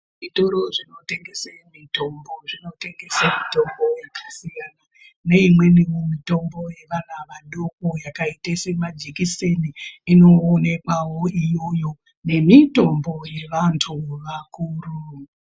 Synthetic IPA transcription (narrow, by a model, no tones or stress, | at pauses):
ʐitoɾoʐino̞te̞ŋɡe̞semito̞mbo̞ʐino̞te̞ŋɡe̞samito̞mbo̞jakasijana | ne̞imwe̞nimumito̞mbo̞je̞ʋanaʋaɗokojakaitesemad͡ʒikise̞niino̞ːne̞kwawo̞ijo̞jo̞ | ne̞mito̞mbo̞je̞ʋantʰuʋakuːru